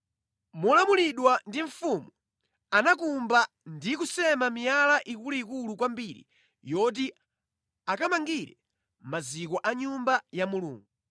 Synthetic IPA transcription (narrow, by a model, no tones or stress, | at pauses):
mulamuliɗwandiɱ̩fumu | anakumba | ndik̬usɛmamijalaʔikuluik̬ulukwambiɾḭ | jɔt̬i | akamaŋɡiɾɛ̰ | mazik̬ɔʔaɲumbajamulṵːŋɡu